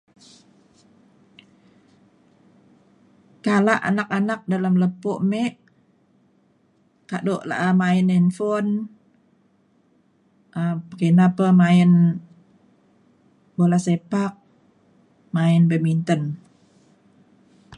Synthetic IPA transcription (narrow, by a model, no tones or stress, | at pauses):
kalaʔa̰nak̚anak̚dalamləpoʔmɛʔ | kaʔdoʔla̰ʔamaɪnɛnfon | ʔəpəkənapəmaɪn | bolasepak̚ | maɪnbəmint̪ən